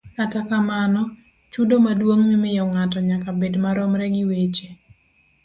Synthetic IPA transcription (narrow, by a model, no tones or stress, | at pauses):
katakamanɔ | t͡ʃudomadwoŋmɪmɪjɔŋatɔɲakabedmaɾɔmɾɛɡɪwet͡ʃe